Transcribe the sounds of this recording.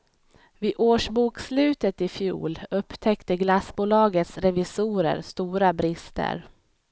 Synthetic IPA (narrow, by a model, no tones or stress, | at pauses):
vɪʔoːʂbuːkslʉ̟ːt̪ət̪ɪfjṵːlɵpːt̪ʰɛkt̪əɡlasbuːlɑːɡət̪sɾɛvɪsuːɾə̰ɾst̪uːɾabɾɪst̪ʰə̰ɾ